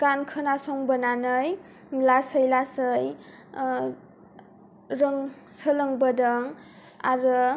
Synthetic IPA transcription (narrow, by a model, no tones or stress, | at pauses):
kankʰɯnasɔŋbənanɯj | lasəjlasɯj | ɾɯŋ | səlɯŋbədɯŋ | a̰ɾɯ